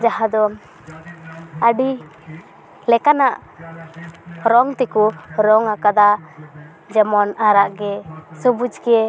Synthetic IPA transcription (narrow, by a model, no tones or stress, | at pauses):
d͡ʒaɦad̪ɔ | əɖi | lɛkanaʔ | ɾɔŋt̪ɛkɔɾɔŋakad̪a | d͡ʒɛmɔnaɾaʔɡɛsubud͡ʒkɛɛ